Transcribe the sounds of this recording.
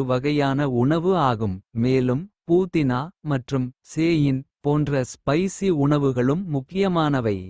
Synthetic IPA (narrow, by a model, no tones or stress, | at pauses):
ɯʋɐɣɐjaːnɐʊɳɐʋɯaːɣɯmːeːlɯmpuːt̪ɪnaːmɐʈrɯmseːjɪnpoːndrɐspɐɪsiʊɳɐʋɯɣɐɭɯmːʊkːɪjɐmaːnɐʋɐɪ